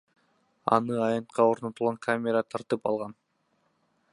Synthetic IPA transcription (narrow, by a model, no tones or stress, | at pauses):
ɑ̰nɯɑjɑnt̪qʰɑo̞ɾnot̪ulˠʁɑŋkʰamʲeɾat̪ʰɑɾt̪ɯpɑ̰lˠʁɑn